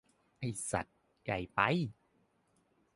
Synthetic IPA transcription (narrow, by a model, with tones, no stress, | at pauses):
ha˧˩jsa̰˨˩t̪̚ | ka˨˩jpa˧j